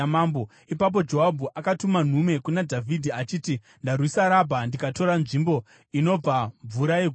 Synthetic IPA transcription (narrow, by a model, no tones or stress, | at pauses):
maːmbo | ipap̬o̞d͡ʒo̞ɦabʱuʔakatuman̤ume̞kunadʱavʱidʱiat͡ʃiːti | ndarwisaɾabʱandikato̞ɾanʐimbo̞ | ino̞b͡vaɱvuɾaje